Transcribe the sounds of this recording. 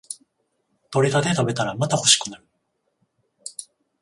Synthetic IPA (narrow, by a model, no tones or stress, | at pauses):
t̪o̞ɾet̪ad̪e̞t̪abe̞t̪aɾamat̪aho̞ɕi̥kɯ̟naɾɯ̟